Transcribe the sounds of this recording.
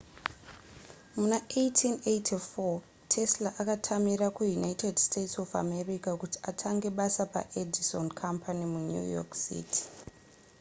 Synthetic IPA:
munaejtʰinejtʰifo | tʰe̞slaʔakatʰamiɾakujunaitedstetsofa̰me̞rikakuti̥atʰaŋɡe̞ɓasapa̰ʔedisonkʰampanimuɲṵjo̰ksḭːti̥

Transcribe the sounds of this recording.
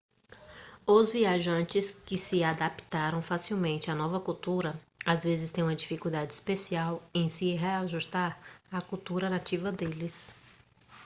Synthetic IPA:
ʊzviaʒɐ̃nt͡ʃɪskɪsɪad̪apt̪aɾɐ̃w̃fasiwmẽnt͡ʃɪanɔvɐkuwt̪uɾɐ | azvezɪst̪ẽj̃ũmɐd͡ʒifikud̪ad͡ʒɪispesiawẽj̃siɦeaʒuʃt̪aɾakuwt̪uɾɐnat͡ʃivɐd̪elɪs

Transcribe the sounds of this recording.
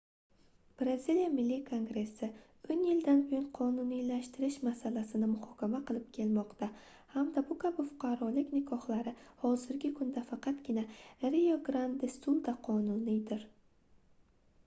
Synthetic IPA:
b̥ɾazilijamɪlːikʰo̞ŋɡɾe̞sːɪ | onjɪld̪anbʊjʊnqʰɒnʊnilaʃt̪ɪɾɪʃmasalasɪnɪmʊhɒkʲʰamaqɨlˠɪp̚kʲʰe̞lmɒqt̪a | hamd̪abʊkʰabʊfʊ̥qʰɑɾɒlɪkʲnɪkʰɒχlˠaɾɪhɒzɪɾɡʲɪkʰʊnd̪afɑqɑt̪ɡʲɪnaɾijoɡɾand̪ɪst̪ulˠd̪aqʰɒnʊnid̪ɪɾ

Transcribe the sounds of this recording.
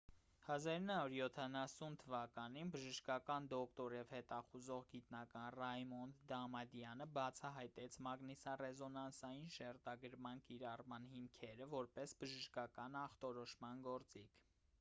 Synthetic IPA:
hɑzɑɾunːhɑuɾjɔt̪ʰɑnɑsunt̪ʰəvɑkɑninbəʒəʃkɑkɑnd̪ɔkt̪ɔɾjɛvhɛt̪ɑχuzɔʁɡit̪nɑkɑnrɑjmɔnd̪ɑmɑd̪jɑnəbɑt͡sʰɑɦɑjt̪ɛt͡sʰmɑɡnisɑrɛzɔnɑnsɑjinʃɛɾt̪ɑɡəɾmɑnkiɾɑrmɑnhimkʰɛɾəvɔɾpɛsbəʒəʃkɑkɑnɑχt̪ɔɾɔʃmɑnɡɔɾt͡sikʰ

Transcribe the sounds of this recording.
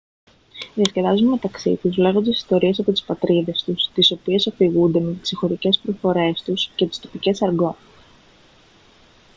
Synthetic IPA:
ðiɐsce̞ðɐzunme̞t̪ɐksḭt̪uzle̞ɣond̪isi̥st̪o̞ɾie̞sɐpo̞t̪i̥spɐt̪ɾiðe̞st̪ust̪iso̞pie̞sɐfiɣund̪e̞me̞t̪i̥sixo̞ɾice̞spɾofo̞ɾe̞st̪usce̞t̪i̥st̪o̞̥pice̞sɐɾɡo̞n

